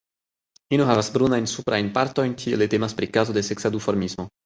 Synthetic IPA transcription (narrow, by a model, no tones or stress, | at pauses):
inuɦavasbɾunajnsupɾajnpaɾto̞jnkʰielet̪emaspɾikazod̪eseksad̪ufoɾmismo